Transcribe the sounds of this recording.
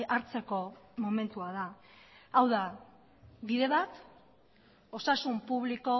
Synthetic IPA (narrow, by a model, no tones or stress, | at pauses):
aɾt͡se̞ko̞mo̞me̞nt̪uað̞a | awða | βiðe̞βat̪ | o̞sasumpuβ̞liko̞